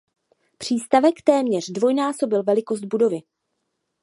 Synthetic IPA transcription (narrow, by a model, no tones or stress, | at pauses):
pr̝̥iːst̪avɛkt̪ɛːmɲɛr̝dvo̞jnaːso̞bɪlvɛlɪko̞sd̪̚budo̞vɪ